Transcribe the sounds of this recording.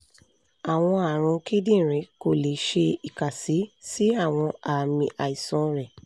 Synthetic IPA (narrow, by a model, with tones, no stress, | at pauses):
a˨w̃ɔ̃˧a˨ɾ̃ũ˧ki˦dĩ˦˨ɾ̃ɛ̃˨˦ko˦˨le˨ʃe˧i˨ka˨si˨˦si˦a˦˨w̃ɔ̃˧a˨mĩ˧ʔa˨i˨sɔ̃˧ɾɛ˨